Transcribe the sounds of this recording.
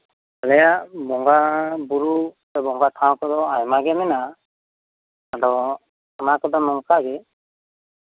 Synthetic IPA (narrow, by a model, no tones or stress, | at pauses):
alɛjabɔŋɡabuɾupɛbɔŋɡat̪ʰãw̃kɔd̪ɔajmaɡɛmɛna | aɖɔ | amakɔd̪ɔnɔŋkaɡɛ